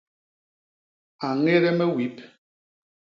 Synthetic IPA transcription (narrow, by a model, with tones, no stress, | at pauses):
a˨ŋe˦ɾɛ˦mɛ˦wi˨˦p̚